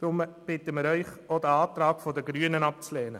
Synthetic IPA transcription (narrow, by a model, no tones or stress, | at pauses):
d̥ɾʊmb̥ɪt̪əmɪɾœʏχod̪əɑːt̪ɾɑːkfɔd̪əɡɾyənənɑp̚t͡slɛːnə